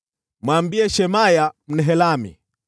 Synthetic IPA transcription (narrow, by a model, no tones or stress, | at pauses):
mwaːmbiɛʃɛmajam̩nɛɦɛlamḭ